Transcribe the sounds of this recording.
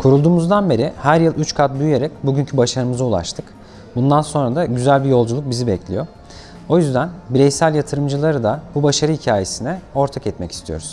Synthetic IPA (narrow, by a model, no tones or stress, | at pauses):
kʰuɾulˠd̪uːmuzd̪anbe̞ɾihæɾjɯlˠʔyt͡ʃkʰat̪̚byje̞ɾɛcbuɟyncʰybaʃaɾɯmɯzaulˠa̰ʃt̪ʰɯk | bund̪anso̞nɾad̪aɟyzælʲbijo̞lˠd͡ʒulˠuk̚bizibɛclʲḭjo̞ | o̞jyzd̪ænbiɾɛjsælʲjat̪ʰɯɾɯmd͡ʒɯlˠaɾɯd̪abubaʃaɾɯhicʰaːje̞sinɛo̞ɾt̪ʰakɛt̪mɛci̥st̪ʰijo̞ɾuz̥